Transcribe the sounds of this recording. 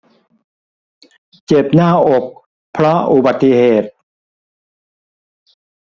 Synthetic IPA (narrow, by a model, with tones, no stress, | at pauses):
t͡ɕe˨˩p̚naː˥˩ʔo˨˩k̚ | pʰːɾɔ˦˥ʔu˨˩ba˨˩t̪ːi˨heː˨˩t̪̚